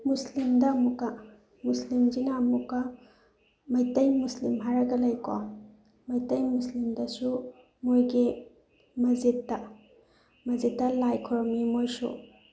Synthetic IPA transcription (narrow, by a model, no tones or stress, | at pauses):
muslimdɐːmukːɐ | muslimd͡ʒinaːmukɐ | mɐjtɐjmuslimɦaɾɐɡɐlɐjko̰ | mɐjtɐjmuslimdɐsu | mojɡi | mɐzetːɐ | mɐzetːɐlajkʰɔɾɔmimojsṵ